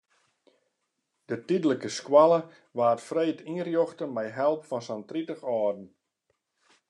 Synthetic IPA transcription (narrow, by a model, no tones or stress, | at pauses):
d̥ətidələkəskwalˠə | ʋaːtfrejtirjoxtəmɛjɦɛlˠpfɔnsantritəxɔːdn̩